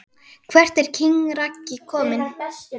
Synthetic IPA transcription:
kʰvɛr̥t̪ɛɾ̥cʰiŋɾacːɪkʰɔːmɪn

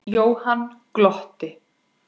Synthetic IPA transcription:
joːwhanːklɔht̪ɪ

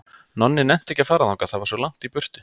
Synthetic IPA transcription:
nɔnːɪnɛm̥t̪ɛhçcːafaːɾaðɔkaθaðvaɾsvɔlaŋ̥t̪ipʏr̥t̪ɪ

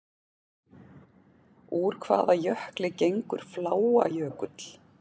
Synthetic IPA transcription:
uːɾ̥kʰva̰ːðajœhklɪcejŋkʏ̰ɾ̥flaːwa̰jœːkʏt̪l̥

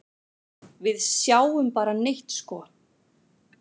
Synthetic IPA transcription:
vɪðsjaːwʏmpaːɾanejht̪skɔː

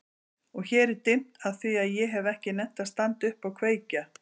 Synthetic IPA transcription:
ɔɣçɛːɾɪɾt̪ɪm̥t̪aðθviaðjɛɦɛvɛhcɪnɛm̥t̪aðst̪ant̪ʏhpawkʰveːjca

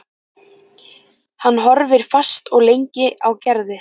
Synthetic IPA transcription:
hanːɦɔɾvɪɾ̥fast̪ɔɣlejɲcɪʔawcɛɾðɪ

